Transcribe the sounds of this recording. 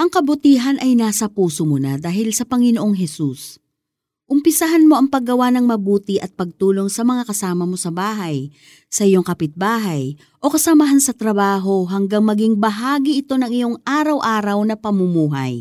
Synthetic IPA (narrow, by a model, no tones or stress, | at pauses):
ʔɐŋkɐbʊt̪iːɦɐnʔɐjnaːsɐpuːsomonad̪aːɦɪlsɐpɐŋɪnoʔo̞ŋɦɛsus | ʔʊmpɪsɐɦanmo̞ʔɐŋpɐɡːɐwanɐŋmɐbuːt̪ɪʔɐt̪̚pɐɡ̚t̪uːlo̞ŋsɐmɐŋakɐsaːmɐmo̞sɐbaːɦɐj | sɐʔɪjo̞ŋkɐpɪt̪̚baːɦɐj | ʔo̞kɐsɐmɐɦansɐt̪ɾɐbaːɦo̞ɦɐŋɡaŋmɐɡiŋbɐɦaːɡiʔɪt̪o̞nɐŋɪjo̞ŋʔaːɾɐwʔaːɾɐwnɐpɐmʊmuːɦɐ̰j